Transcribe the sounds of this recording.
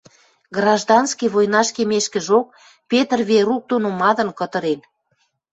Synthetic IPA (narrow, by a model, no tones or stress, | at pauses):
ɡrɑʒd̪ɑnskijβojnɑʃkemeʃkə̆ʒok̚ | pet̪ərβeɾuk̚d̪onomɑd̪ə̆nkə̆t̪ə̆ɾen